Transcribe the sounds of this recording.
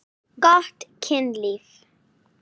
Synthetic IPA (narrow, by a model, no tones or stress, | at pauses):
ɡɔtkʰɪ̃ndlif